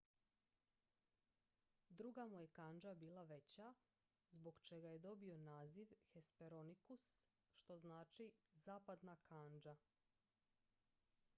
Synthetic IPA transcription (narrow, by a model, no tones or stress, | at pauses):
d̪ɾuɡamuje̞kaːnd͡ʒabiːlˠaʋe̞t͡ɕa | zbo̞ɡt͡ʃe̞ɡaje̞d̪o̞bio̞naːziʋxe̞speɾonikus | ʃt̪o̞znaːt͡ʃizaːpad̪nakaːnd͡ʒa